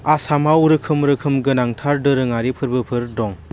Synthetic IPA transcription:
asamawuɾɯkʰɯmɾɯkʰɯmɡɯnaŋtʰaɾdɯɾɯŋaɾipʰɯɾbɯpʰɯɾdɔŋ

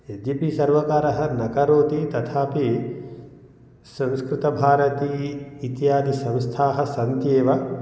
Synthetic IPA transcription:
ed͡ʒ̪ipisɐɾʋɐkaːɾɐɦɐnɐkɐɾoːt̪it̪ɐt̪ʰaːpi | sɐ̃nskɾɪt̪ɐbʱaːɾɐt̪iːt̪jaːd̪isɐ̃mst̪ʰaːɦɐ̆sɐnt̪jeːʋɐ

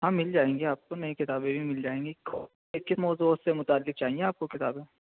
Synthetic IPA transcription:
ɦãːmɪld͡ʒaːẽːŋɡiaːp̚konɐĩkɪt̪aːbẽbʱimɪld͡ʒaːẽːŋɡikʰo | ekɪsmɔːzusemʊt̪aːlːɪk̚t͡ʃaːɦieaːp̚kokɪt̪aːbẽ

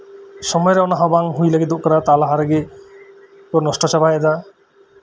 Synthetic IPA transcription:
ʃɔmɔjɾeɔnaɦabaŋɦujlaɡid̪oʔkaɾat̪alaɦaɾeɡe | kɔɾnɔsʈɔt͡ʃabajed̪a

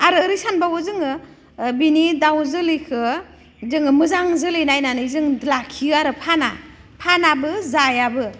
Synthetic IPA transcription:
aɾɯːɾijsanbawɯzɯŋɯ | binidawzɯlikʰɯ | zɯŋɯmɯzaŋzɯlinajnanɯzɯŋlakʰiaɾɯpʰana̰ | pʰanabɯzajabɯ

